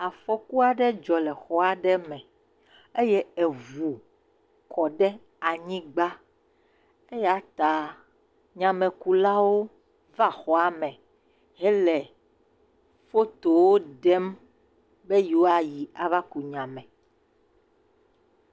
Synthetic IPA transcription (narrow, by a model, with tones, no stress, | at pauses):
a˨fɔ˦ku˦a˨ɖɛ˦d͡ʒɔ˨lɛ˨xɔ˦a˨ɖɛ˦mɛ̃˨ | e˦jɛ˦e˨vu˨ | kɔ˨ɖɛ˦ | a˨ɲĩ˦ɡ͡ba˦ | e˦ja˦t̪a˨ | ɲã˨mẽ˨ku˨la˦wo˦ | va˦˨xɔ˨a˨mɛ̃˨ | ɦɛ˦lɛ˨ | fo˦t̪o˨wo˦ɖɛ˦m | be˦ju˨wo˦a˨ji˨a˨va˦ku˨ɲã˨mɛ̃˨